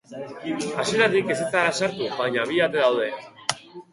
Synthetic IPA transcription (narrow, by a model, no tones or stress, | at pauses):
asie̞ɾat̪ike̞set̪aɾasaɾt̪uβaɲaβ̞iat̪e̞ðawð̞e̞